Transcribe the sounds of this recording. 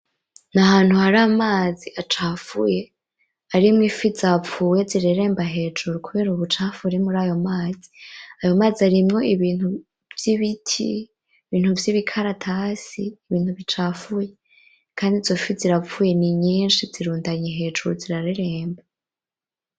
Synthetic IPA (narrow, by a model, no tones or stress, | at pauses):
nahaːn̥huhaɾaːmaːziʔat͡ʃaːfṵje̞ | aɾimŋifizap͡fuːje̞ziɾeɾe̞ːmbaɦe̞ːd͡ʒuɾukuβe̞ːɾuβut͡ʃaːfuɾemuɾaːjo̞maːzi̥ajo̞maːziaɾimŋo̞iβiːn̥hu | vjiβitʰḭ | iβiːn̥huvjiβikʰaɾatʰasiːβiːn̥huβit͡ʃaːfuje̞ | kʰaːndizofiziɾap͡fuːje̞niɲiːnʃiziɾuːndaɲeɦe̞ːʒuɾuziɾaɾeɾe̞ːmba